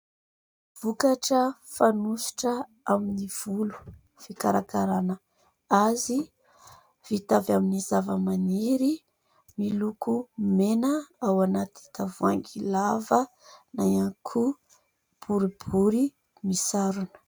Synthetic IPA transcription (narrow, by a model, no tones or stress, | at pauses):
v̥ukaʈ͡ʂəfanusi̥ʈ͡ʂə | aminiv̥ulu̥ | fikaɾakaɾanə | azi | v̥it̪avjaminizavəmaniɾi | milukumenəawanat̪i̥t̪avuaŋɡilavə | najaŋkʰu | b̥uɾib̥uɾi | misaɾunə̥